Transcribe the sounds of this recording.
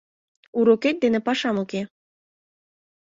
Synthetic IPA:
uɾoket̪̚d̪enĕpɑʃɑmoke

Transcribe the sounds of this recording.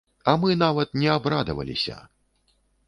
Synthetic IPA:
ɐmɨnavɐt̪̚nʲɛabɾad̪ɐvɐ̰lʲḭsʲɐ̰

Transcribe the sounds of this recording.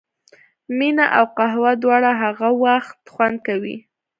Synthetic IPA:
minaʔawqaɦwad̪wɑɽaɦaɣawaxt̪xwand̪̚kawḭ

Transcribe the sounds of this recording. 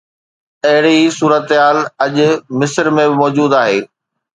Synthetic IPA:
ɐɦɪɽisuːɾət̪ɦaːlɐʄʊmɪsəɾmẽbɪmɔːd͡ʑuːd̪aːɦeː

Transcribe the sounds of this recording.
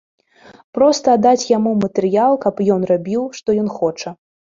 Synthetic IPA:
pɾɔst̪ɐːd̪at͡sʲjamumɐt̪ɨɾɨjalˠkɐpjɔnrabʲiwʂt̪ɔjɔnxɔt͡ʂɐ

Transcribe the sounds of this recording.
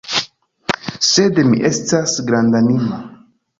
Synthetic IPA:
se̞dmḭʔe̞stasɡɾandanima

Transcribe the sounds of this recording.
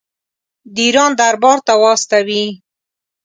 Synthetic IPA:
d̪iɾɑnd̪aɾbɑɾt̪awɑst̪awi

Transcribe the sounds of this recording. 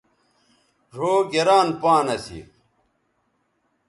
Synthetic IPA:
ʐoːɡeɾaːnpaːnɐsḭ

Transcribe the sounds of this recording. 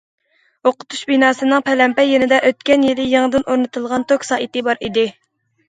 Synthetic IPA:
oqʰʊ̥t̪ʰu̥ʃbinɑːsɨnɨŋpʰɛlɛmpɛjenɪd̪ɛʔøt̪kʲɛnjilɪjiŋd̪ɨnʔoɾnɨt̪ʰɨlˠʁɑnt̪ʰokʲsɑːʔit̪ɪbɑɾid̪ɪ

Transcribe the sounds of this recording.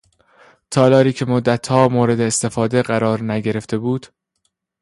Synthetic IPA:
t̪ʰɒːlɒːɾiːcʰe̞mod̪ːæt̪hɒːmoːɾe̞d̪eːst̪e̞fɒːd̪e̞ɢæɾɒːɾnæɟe̞ɾe̞ft̪e̞buːd̪̥

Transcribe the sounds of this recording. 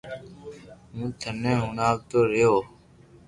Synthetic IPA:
mũːt̪ʰənẽːɦʊnaːʋt̪oːɾejoː

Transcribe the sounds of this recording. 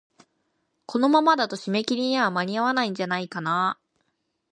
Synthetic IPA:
kʰo̞no̞mamad̪at̪o̞ɕime̞kʲiɾʲiɲ̟iβamaɾʲiaβanaĩɲ̟d͡ʑanaikana

